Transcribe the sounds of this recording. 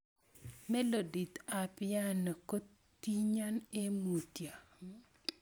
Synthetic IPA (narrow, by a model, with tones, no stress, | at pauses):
mɛ˦lo˨di˨t̪a˨pɪja˦no˨ko˦tː | i˦ɲa˦ne˦mu˨tja˨